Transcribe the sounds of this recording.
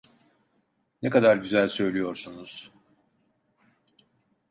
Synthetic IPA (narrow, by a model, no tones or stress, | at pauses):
nekad̪aɾɟyzælʲsø̞jlʲijo̞ɾsunuz̥